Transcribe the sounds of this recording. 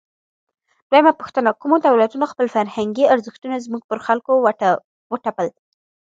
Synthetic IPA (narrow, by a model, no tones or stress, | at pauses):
d̪̥wajamapuxt̪ənakumot̪awlat̪unoxpəlfaɾhaŋɡiaɾzəxt̪unazmuɡ̚pəɾxalko | wəʈapəl